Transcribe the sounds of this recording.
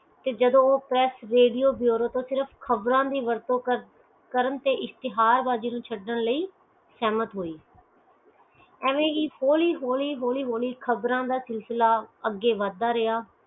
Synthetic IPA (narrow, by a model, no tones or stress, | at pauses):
t̪eːd͡ʒəd̪õːoːpɾɛːsɾeːɖijoːbijoːɾoːt̪õːsɪɾəpʰkʰəbɾãːd̪iːʋəɾt̪õː | kəɾənt̪eːʔɪst̪ɪɦaːɾbaːd͡ʒiːnũːt͡ʃʰəɖːəɳləiː | sɛːmət̪ɦoːiː | ɛːʋẽːiːhoːliːɦoːliːɦoːliːɦoːliːkʰəbɾãːd̪aːsɪlsɪlaːəɡːeːʋaːd̪ːaːɾɪaː